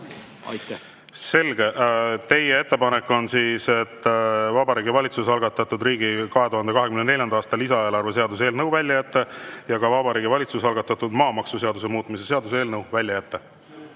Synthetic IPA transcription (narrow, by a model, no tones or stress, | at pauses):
se̞lɡ̥e̞t̪e̞jee̞t̪ːe̞pɑnekːo̞nsiːse̞t̪ːˑvɑbɑɾiːɡivɑlʲit̪susɑlɡ̥ɑt̪ːˑɑt̪ːˑud̪riːɡ̥ikɑɦet̪uɦɑnd̪e̞kɑɦe̞kymnenelʲjɑnd̪ɑːst̪ɑlisɑe̞ːlɑrve̞s̬e̞ɑd̪us̬eːlnɤwvælʲjɑjæt̪ːejɑɡɑvɑbɑɾiːɡivɑlʲit̪susɑlɡ̥ɑt̪ːˑɑt̪ːud̪̥mɑːmɑksuse̞ɑd̪use̞muːt̪ːˑmis̬e̞se̞ɑd̪use̞ːlnɤwvælʲjɑjæt̪ːe